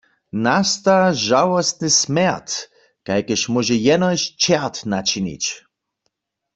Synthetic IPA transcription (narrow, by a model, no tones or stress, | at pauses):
nast̪aʒawɔst̪̚nɨsmɛʁt̪ | kajkəʃmɔʒɛjɛnɔjɕt͡ʃɛʁt̪nat͡ʃinḭt͡ɕ